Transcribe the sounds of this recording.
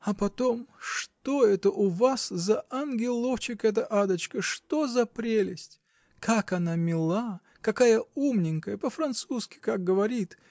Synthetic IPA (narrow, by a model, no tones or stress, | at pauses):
ɐpɐt̪o̞mʂt̪o̞ɛt̪əʔʊvaszɐɐnɡʲɪlˠoft͡ɕɪkɛt̪̬əʔad̪ət͡ɕkəʂt̪ozɐpɾʲelʲɪsʲtʲ | kʰakɐnamʲɪlˠa | kɐkajəumnʲɪŋkəjəpəfɾɐnt̪suskʲɪ̥kak̚ɡəvɐɾʲit̪